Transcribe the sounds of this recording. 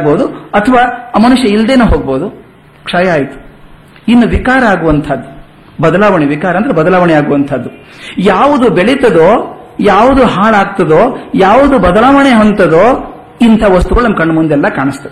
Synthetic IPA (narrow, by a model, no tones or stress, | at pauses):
boːd̪uɐt̪ʰɐʋaːmɐnuʂjɐild̪eːnuːɦoːɡ̚boːd̪u | kʂaːjaːjit̪u̥ | inːuʋikaːɾɐaːɡuʋɐnt̪ʰɐd̪ːu | bɐd̪ɐlaːʋɐɳeʋikaːɾɐnd̪ɾebɐd̪ɐlaːʋɐɳɛaːɡuʋɐnt̪ʰɐd̪ːu | jaːʋud̪ubeɭit̪ɐd̪oː | jaːʋud̪uɦaːɭaːɡt̪ɐd̪oːjaːʋud̪ubɐd̪ɐlaːʋɐɳeɦont̪ɐd̪oː | int̪ʰɐʋɐst̪uɡɐɭnɐmɐkɐɳɖmund̪ɛlːɐkaːɳist̪ɐd